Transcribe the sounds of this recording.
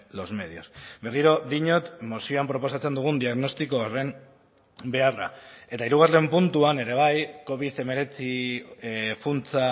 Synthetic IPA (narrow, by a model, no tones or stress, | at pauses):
lo̞zme̞ðio̞sbe̞riɾo̞ðiɲo̞t̪mosio̞ampɾo̞po̞sat͡se̞nd̪uɣ̞und̪iaɣno̞st̪iko̞ore̞m | be̞ara̰e̞t̪aiɾuɣ̞are̞mpunt̪uane̞ɾe̞β̞ajko̞βiθe̞me̞ɾe̞t͡si | funt͡sa